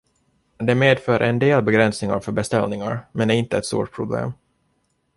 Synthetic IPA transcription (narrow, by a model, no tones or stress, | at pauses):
d̪ɛmeːd̪fœːɾʔɛnd̪eːlbɛɡɾɛnsnɪŋa̰ɾfœbɛst̪ɛlnɪŋaɾmɛnæɾɪnt̪əɛt̪st̪ṵːʈ̚pʰɾʊblḛːm